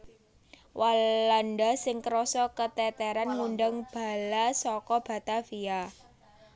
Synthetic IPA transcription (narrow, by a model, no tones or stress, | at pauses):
walandasɪŋkəɾɔsɔkət̪ɛt̪ɛɾanŋunɖəŋb̥a̤lasɔkɔb̥a̤t̪afia